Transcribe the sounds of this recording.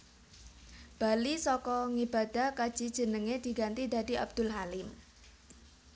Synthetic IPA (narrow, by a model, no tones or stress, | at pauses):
b̥alisɔkɔŋib̥a̤d̥a̤hkad̥ʒ̥i̤d̥ʒ̥ə̤nəŋed̪̥iɡant̪id̪ad̪i̤ʔa̰b̚d̪̥ʊ̤lɦalɪm